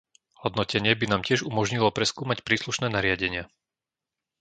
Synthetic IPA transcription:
hɔd̪nɔcɛɲɪɛbinaːmcɪɛʒumɔʒɲilɔpɾɛskuːmacpɾiːsluʃnɛːnaɾɪaɟɛɲɪa

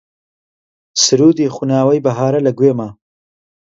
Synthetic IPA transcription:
sɪɾuːd̪ixunɑːwɐjbɐɦɑːɾɐlɐɡweːmaː

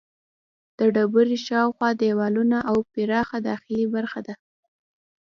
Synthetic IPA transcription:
d̪̥əɖabəɾiʃɑwxwɑd̪ewɑlunaʔawpɪɾɑxad̪ɑxɪlibaɾxad̪a

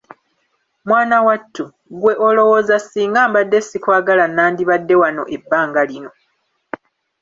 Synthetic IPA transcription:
mwaːnawatʰːu | ɡwe̞ʔo̞lo̞wo̞ːzasːiːŋɡaːmbadːesːikwaːɡalanːaːndiβadːe̞wano̞̰ʔebːaːŋɡalino̞

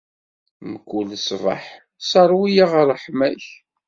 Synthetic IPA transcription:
məkːulsvɑ̰ħ | sɑɾˤwijaʁəɾˤəħmæç

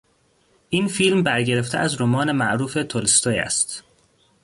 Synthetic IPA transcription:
ʔiːnfiːlmbæɾɟe̞ɾe̞ft̪ḛʔæzɾomɒːnemæʔɾuːfe̞t̪ʰolst̪ojæ̰st̪

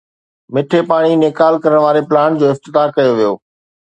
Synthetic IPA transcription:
mɪʈʰepaːɽ̃inekaːlkɐɾəɽ̃ʋaːɾeplaːñd͡ʑoːɪft̪ɪt̪aːkɐjoʋijo̰ː

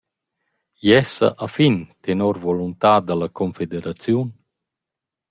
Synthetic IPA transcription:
jɛsa̰ʔafint̪enɔɾvɔlunt̪aːd̪alakʰɔnfed̪eɾat͡sjun

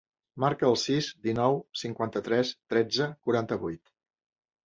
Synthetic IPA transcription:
maɾkəːlˠsizd̪inɔwsiŋkwant̪ət̪ɾɛst̪ɾɛd͡zəkuɾant̪əβujt̪

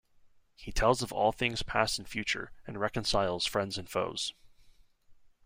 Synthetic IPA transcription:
hitʰɛlˠzʌvɔ̰lˠθɪ̃ŋz̥pʰæsn̩fjʉt͡ʃə̰˞ɨ̃nɹɛkɨ̃nsaɪl̩ˠz̥fɹɛ̃ndzɨ̃nfo̰ʊz̥

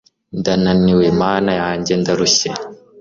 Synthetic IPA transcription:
ndananiwemaːnajaːɲɟendaɾuɕe

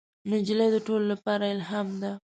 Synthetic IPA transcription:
nɪd͡ʒləjd̪əʈololapɑɾaɪlɦɑmd̪a

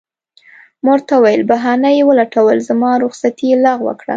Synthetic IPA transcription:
moɾt̪awajəlbaɦɑnajewəlaʈawəlzamɑɾʊɣsat̪ilɑɣwə̰kɽa̰

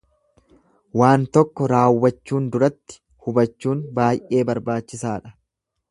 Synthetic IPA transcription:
waːnt̪ɔkːɔɾaːwːɐt͡ʃːuːnd̪ʊɾɐt̪ːɪ̥ | hʊbɐt͡ʃːuːnbaːjʔe̞ːbɐɾbaːt͡ʃːɪsaːᶑɐ̥

